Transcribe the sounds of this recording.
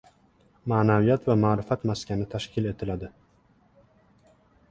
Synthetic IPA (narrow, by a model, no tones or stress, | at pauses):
maːnavɪjɛːt̪vamaːɾɪfat̪maskanət̪ʰaʂkiːlɛt̪ʰɪlad̪ə